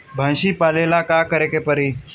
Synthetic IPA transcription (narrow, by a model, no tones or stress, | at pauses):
bʱãnɕiːpalelakakəɾekepəɾiː